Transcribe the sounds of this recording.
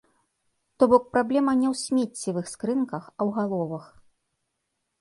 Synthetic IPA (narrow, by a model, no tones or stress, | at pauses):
t̪ɔbɔk̚pɾablʲɛmɐnʲɛwsʲmʲet͡sʲːivɨxskɾɨnkɐxɐwɣalˠɔvɐx